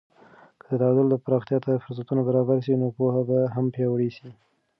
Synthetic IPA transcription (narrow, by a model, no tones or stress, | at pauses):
kəd̪ət̪ahad̪ʊld̪əpɾɑxt̪jɑt̪afʊɾs̬at̪unabaɾɑbaɾs̬inopohabaɦampjɑwɽisi